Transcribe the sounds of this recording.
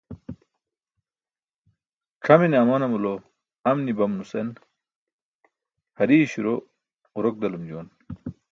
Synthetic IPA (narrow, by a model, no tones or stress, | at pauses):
kʰɐmineɐmɐnɐmulo | ɐmnibɐmnusen | hɐɾiɕuɾo | uɾok̚d̪ɐlumd͡ʑoːn